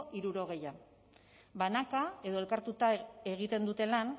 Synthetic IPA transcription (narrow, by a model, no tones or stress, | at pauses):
ʔiɾuɾo̞ɣ̞e̞ja | banakae̞ð̞o̞e̞lkaɾt̪ut̪ae̞ɣ̞it̪e̞nd̪ut̪e̞lan